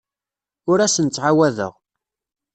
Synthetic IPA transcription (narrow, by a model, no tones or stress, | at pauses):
ʊɾæsənt͡sːʕawæðə̰ʁ